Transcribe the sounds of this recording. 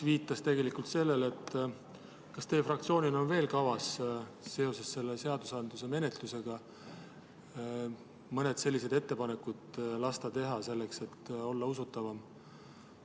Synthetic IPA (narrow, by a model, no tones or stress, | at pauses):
viːt̪ːˑɑst̪e̞ɡe̞likult̪se̞lːe̞le̞t̪ː | kɑst̪e̞ːfrɑk̚t̪sio̞ːnʲino̞nve̞ːlkɑvɑs | se̞o̞se̞sse̞lːese̞ɑd̪̥usɑnd̪̥luse̞me̞ne̞t̪luse̞ɡ̥ɑ | mɤne̞d̪̥se̞lʲːise̞d̪e̞t̪ːe̞pɑne̞kːud̪̥lɑst̪ɑt̪e̞ɦɑse̞lːe̞kse̞t̪ːo̞lːɑusut̪ːˑɑvɑm